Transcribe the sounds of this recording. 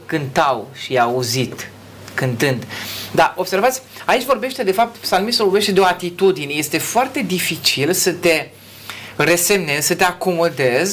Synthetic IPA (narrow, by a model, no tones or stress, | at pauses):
kɨnt̪awʃiauzit̪ | kɨnt̪ɨnd̪d̪aʔo̞bse̞rvat̪sʲait͡ʃʲvo̞rbe̞ʃt̪e̞d̪e̞fap̚t̪salmisəvorbeʃt̪e̞d̪eo̞at̪it̪ud̪ine̞je̞st̪e̞foart̪e̞d̪ifit͡ʃilsət̪e̞ | re̞se̞mne̞zsət̪e̞ako̞mo̞d̪e̞z